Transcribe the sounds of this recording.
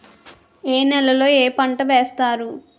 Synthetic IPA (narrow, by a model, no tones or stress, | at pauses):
eːnɛlɐlo̞ːeːpɐɳʈɐʋeːst̪aːɾu